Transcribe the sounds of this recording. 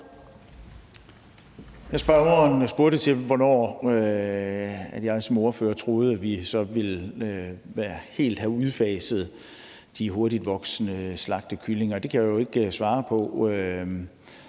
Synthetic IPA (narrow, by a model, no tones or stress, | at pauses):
jɑ̈ɪsb̥ɑʊɐnɒsb̥uɐɾ̥ət͡sʰe̝lʋɒnɒ̰ːø | æ̥jɑ̈ɪsɒ̽mɔɐfø̰ːɐt͡sʰʁo̝ːð̞̩ˠæʋisɒ̽ʋe̝l | ʋæɐhe̝̰ːld̥hæuð̞ˠfɛːsəð̞̩ˠ | d̥iɦo̝ɐɾid̥ʋɒ̽ɡ̥snəslɑ̈ɡ̥̚d̥əkʰyle̝ŋɐd̥e̝kʰæjajoe̝ɡ̥sʋɑ̈ːpʰɒ̽ø